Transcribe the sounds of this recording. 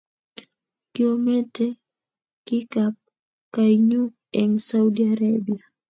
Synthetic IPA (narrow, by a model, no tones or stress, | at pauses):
kiomɛtɛ | kikap̚ | kaiɲu | ɛŋsaudiaɾabia